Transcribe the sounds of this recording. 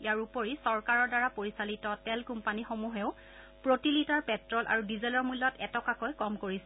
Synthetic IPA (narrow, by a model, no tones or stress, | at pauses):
ijaɹupoɹisɔɹkaɹɔɹdaɹapoɹisalitɔtɛlkumpanixomuɦɛʊ | pɹotilitaɹpɛtɹɔlʔa̰ɹudizɛlɔɹmulːɔtɛtɔkakojkɔmkoɹisɛ